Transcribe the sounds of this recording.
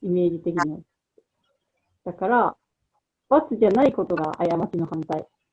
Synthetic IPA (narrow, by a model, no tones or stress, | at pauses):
ime̞ːʑit̪e̞kʲiɲ̟a | d̪̥akaɾa | βat͡sɨʑanaiko̞t̪o̞ɡaʔajamat͡ɕino̞hãnt̪ai